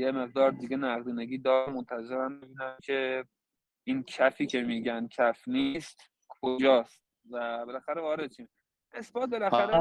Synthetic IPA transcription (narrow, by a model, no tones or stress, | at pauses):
jeme̞ɣd̪ɒːɾd̪iɡʲenæɣd̪iːneɡiːd̪ɒːɾmont̪ʰæze̞ɾæmːibiːnæmcʰe̞ | incʰæfiːcʰe̞miːɟæn̚kʰæfnist̪ | kʰod͡ʒɒːst̪̚ | væbelæxæɾevɒːɾed̪̚t͡ʃʰiːm | ʔe̞sbɒːt̪̚be̞læxæɾe